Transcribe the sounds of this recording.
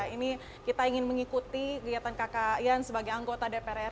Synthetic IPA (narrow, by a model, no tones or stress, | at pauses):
ini | kit̪aiŋɪnməŋikut̪ikəɡiat̪ankakajansəbaɡajaŋɡot̪adepeɾɛ